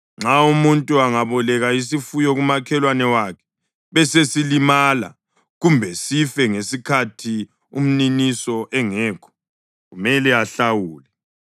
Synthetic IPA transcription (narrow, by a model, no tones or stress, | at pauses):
ŋ͡ǁʱaumuntʼuaŋaβɔlɛɣais̬ifujɔɣumakʰɛlwanɛwakʰɛ̥ | βɛsesilimala̰ | ɣumbʱɛsifɛŋesikʰatʰi | um̩ninisɔʔɛŋɛːkʰɔ̥ | ɣumɛlɛaɬawuːlɛ